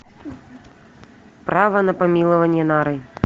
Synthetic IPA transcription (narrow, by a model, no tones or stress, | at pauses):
pɾavɐnɐpamʲilˠɐvɐnʲjɛnaɾɨj